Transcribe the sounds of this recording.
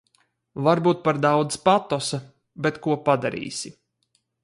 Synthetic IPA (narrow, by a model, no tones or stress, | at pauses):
vaɾbuːt̪̚paɾd̪awd̪zpat̪ɔsa | bɛt̪kuɔpad̪aɾḭːsi